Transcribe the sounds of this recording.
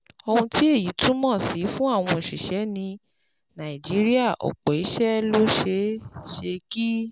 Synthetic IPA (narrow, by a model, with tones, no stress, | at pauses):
o˧hũ˧ti˦e˦˨ji˨˦tũ˦mɔ̃˦˨si˨˦fũ˦a˦˨w̃ɔ̃˧˨ʃi˨ʃɛ˨˦nĩ˧ | nã˨i˨d͡ʒi˨˦ɾi˦a˦˨ʔo̰˨k͡pɔ˨i˨˦ʃɛ˦lo˦ʃe˧˦ʃe˧ki˦